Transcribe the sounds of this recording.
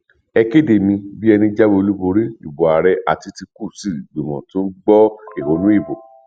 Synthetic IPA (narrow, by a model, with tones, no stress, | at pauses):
ɛ˧ke˦˨de˨mĩ˧bi˦ɛ˧nĩ˧d͡ʒa˦bo˧lu˦bo˧ɾi˦ḭ˨bo˨a˨ɾɛ˧ʔa̰˨ti˧ti˧ku˦˨si˦˨ɡ͡bu˨mɔ̰̃˨tũ˦ɡ͡bɔ˦e˦˨ho˨˦nũ˦i˦˨bo˨